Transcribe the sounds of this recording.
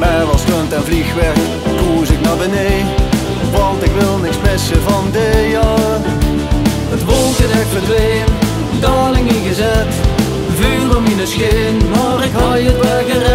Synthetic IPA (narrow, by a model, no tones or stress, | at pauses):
mɛʋɑstøntɛnvlixʋɛɹk | tuːsɪk̚nabəne | ʋɑntɪkʋɪlˠnɪksmɪsəvɑndəjɑ | ətʋolzətɛklədʋeːn | dɑːlɪŋiɣəzɛt | vyːlɔminəsxɪnmɑːɾɪkhɑjətwɛkərɛ